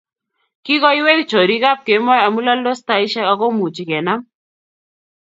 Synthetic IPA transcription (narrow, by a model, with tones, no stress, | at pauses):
ki˦ɡɔ˦i˦we˦kt͡ʃo˨ɾi˦ka˦p̚ke˨˦mɔ˦ja˨mu˦la˦lo˦st̪a˨i˦ʃɛ˦ka˦ko˦mu˨t͡ʃi˨kɛ˨na˦m